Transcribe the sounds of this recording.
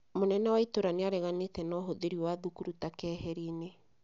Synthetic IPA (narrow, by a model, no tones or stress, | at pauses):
monɛnɛwaitoɾaneaɾɛɣanetɛnɔɦoðeɾiwaðukuɾutakɛːhɛɾine